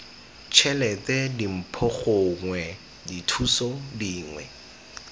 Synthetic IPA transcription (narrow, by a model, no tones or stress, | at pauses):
t͡ʃʰɛlɛtɛdim̩pʰɔχʊŋwɛ | ditʰusɔdiːŋwɛ̰